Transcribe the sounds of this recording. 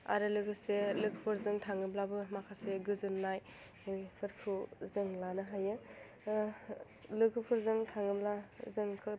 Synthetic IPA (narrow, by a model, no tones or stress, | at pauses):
a̰ɾɯlɯɡɯselɯɡʰɯpʰɯɾzɯŋtʰaŋɯblabɯmakʰaseɡɯzɯnːaj | pʰɯɾkʰuzɯŋlanɯɦajɯ | lɯɡʰɯpʰɯɾzɯŋtʰaŋɯblazɯŋkʰɯ